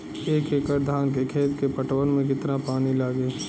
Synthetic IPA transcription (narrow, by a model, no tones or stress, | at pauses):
eːkekəɾd̪ʱaːnk̬ekʰeːt̪kepəʈwənmẽk̬ɪt̪napaːnilaːɡeː